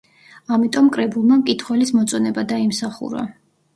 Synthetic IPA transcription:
amit̪ʼɔmkʼɾɛbulˠmamkʼit̪ʰχwɛlismɔt̪sʼɔnɛbad̪aimsaχṵɾa̰

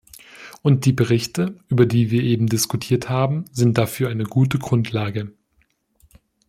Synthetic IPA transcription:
ʔʊnt̚d̥iːbəʁɪçtəʔyːbɐdiːviːɐʔeːbm̩dɪskutʰiːɐthaːbm̩zɪnt̚d̥afyːɐʔaɪnəɡuːtəɡʁʊntʰlaːɡə

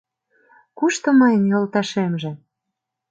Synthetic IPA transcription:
kuʃt̪ŏmɑjənjolt̪ɑʃemʒĕ

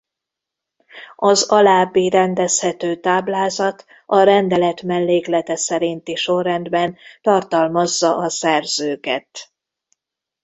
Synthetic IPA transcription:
ɒzɒlaːbːiɾɛnd̪ɛshɛt̪øːt̪aːblaːzɒt̪ | ɒɾɛnd̪ɛlɛt̪mɛlːeːklɛt̪ɛsɛɾint̪iʃo̞rːɛnd̪bɛnt̪ɒrt̪ɒlmɒzːɒʔɒsɛrzøːkɛt̪

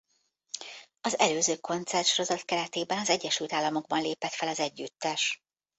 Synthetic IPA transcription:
ɒzɛløːzøːko̞nt̪sɛrʃɾo̞zɒt̪kɛɾɛt̪eːbɛnɒzɛɟːɛʃylt̪aːlːɒmo̞ɡ̚bɒnleːpɛt̪fɛlɒzɛɟːyt̪ːɛʃ

